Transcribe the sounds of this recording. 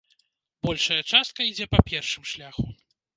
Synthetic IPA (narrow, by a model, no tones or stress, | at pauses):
bɔlʲʂɐjɐt͡ʂast̪̚kɐid͡zʲɛpɐpʲɛrʂɨmʂlʲaxu